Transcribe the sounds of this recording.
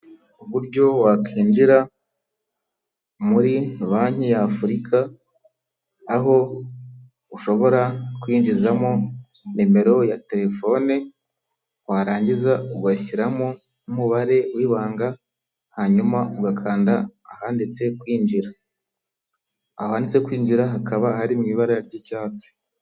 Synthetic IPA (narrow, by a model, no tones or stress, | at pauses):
uβuɾɟo̞wakʰiːnd͡ʒiɾa | muɾiβaːɲijaːfuɾikʰa | ɦo̞ | uʃo̞βo̞ɾakwiːnd͡ʒizamo | nime̞ɾo̞jate̞ɾe̞fo̞ne | waɾaːɲɟizauɡwaiɾamo | umuβaɾe̞wiːβaːŋɡa | haɲumauɡakʰaːndaːhaːndit͡se̞kwiːnd͡ʒiɾa | aohandit͡se̞kwiːnd͡ʒiɾaɦakʰaβahaɾimŋiːβaɾajaɾɟicaːt͡si̥